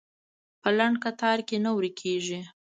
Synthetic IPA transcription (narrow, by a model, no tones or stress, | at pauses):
pəlaɳɖkat̪ɑɾkenawɾikʰeʒi